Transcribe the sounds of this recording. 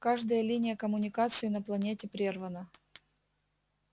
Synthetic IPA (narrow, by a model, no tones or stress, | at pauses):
kaʐd̪əjəlʲinʲɪjəkəmʊnʲɪkat̪sɨɪnəplˠɐnʲetʲɪpɾʲervənə